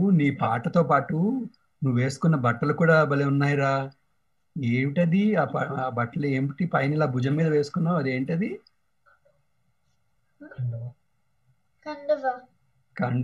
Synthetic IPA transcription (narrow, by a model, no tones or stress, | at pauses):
niːpa̰ːʈɐt̪o̞ːpaːʈu | nuʋːʋe̞ːsu̥kunːɐbɐʈːɐlukuːɽaːbɐleunːaːjiɾaː | eːʋiʈɐd̪iaːpːbɐʈːɐlueːmiʈipɐjɐnilaːbʱud͡ʒɐmːiːd̪ɐʋe̞ːsu̥kunːaːwɐd̪e̞ːɳʈɐd̪i | kɐɳɖua | kɐɳɖ